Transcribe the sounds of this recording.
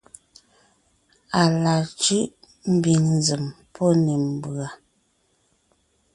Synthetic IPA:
a˨la˨t͡ʃʉ˦ʔ | m̩˦bi˨nn˨zə˨m | pʰɔ˦ne˨m̩˨ba˨

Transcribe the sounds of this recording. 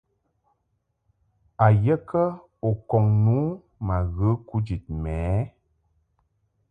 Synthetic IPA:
a˨jə˦kə˦ | o˨kɔ˨ŋnu˨˦ | ma˨ɣə˨˦ku˦d͡ʒi˨t̚mɛː˨˦

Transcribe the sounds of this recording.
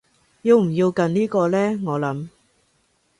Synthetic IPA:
ji˧wm̩˨˩jiː˧wkɐ˨˧nniː˥kɔː˧lɛː˥ŋɔː˨˧lɐ˨˥m

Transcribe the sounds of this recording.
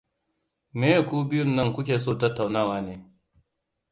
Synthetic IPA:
meː˦˨kuː˦bɪ˦jʊ˦˨nːɐ˦ŋkʷʊ˦kʲeː˨soː˦˨tɐ˦tːa˨wnaː˦˨waː˨neː˨

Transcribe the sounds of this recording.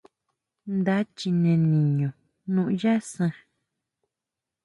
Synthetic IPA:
nd̪a˦t͡ʃi˧nẽ˧nĩ˨ɲõ˨ | nũ˧ʔja˦sə̃˧

